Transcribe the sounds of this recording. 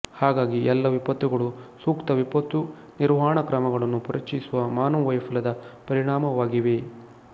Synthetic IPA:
haːɡaːɡiʔɛlːɐʋipɐt̪ːuɡɐɭusuːkt̪ɐʋipɐt̪ːu | niɾʋaːɳɐkɾɐmɐɡɐɭɐnːupuɾʔɐt͡ʃisuʋɐmaːnuʋɐjpʰɐlɐd̪ɐpɐɾiɳaːmɐʋaːɡiʋe̞

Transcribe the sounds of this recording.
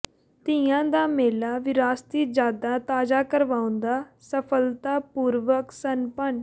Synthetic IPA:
t̪ɪ̃jãːd̪aːmeːlaːʋɪɾaːst̪iːd͡ʒaːd̪ãːt̪aːzaːkəɾʋaːʊ̃nd̪aːsəpʰəlt̪aːpuːɾʋəksənpən

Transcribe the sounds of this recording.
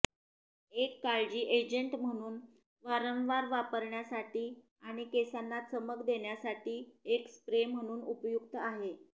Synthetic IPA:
ekːaɭd͡ʑiːʔed͡ʑəɳʈm̤əɽ̃uːn | ʋaɾəʋʋaɾʋapəɾɳjasaʈiː | aɽ̃ikesanːat͡səməɡd̪eɳjasaʈiːekspɾem̤əɽ̃uːnupjuk̚t̪əaɦe

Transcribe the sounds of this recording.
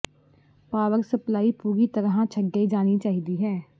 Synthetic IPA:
paːʋəɾsəplaːipuːɡit̪əɾɦãt͡ʃʰəɡːəid͡ʒaːnit͡ʃaːɦid̪iɦɛ̃ː

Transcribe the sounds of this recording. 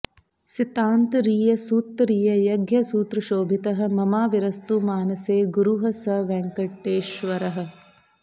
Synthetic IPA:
sit̪aːnt̪ɾiːjɐsuːt̪ːɾiːjɐjɐɡjɐsuːt̪ɾuʃoːbʱit̪ɐɦɐ̆mɐmaːʋiɾɐst̪umaːnɐseːɡuɾuɦɐsɐʋɛŋkɐʈːeːʃʋɐɾɐɦɐ̆

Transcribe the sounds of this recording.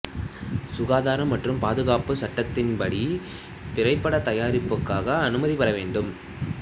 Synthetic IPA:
sʊɣaːðaːɾɐmːɐʈrɯmpaːðɯɣaːpɯsɐʈːɐt̪ːɪnpɐɽi | t̪ɪɾɐɪpːɐɽɐt̪ɐjaːɾɪpːɯkːaːɣɐːnɯmɐðipɐɾɐʋeːɳɖɯm

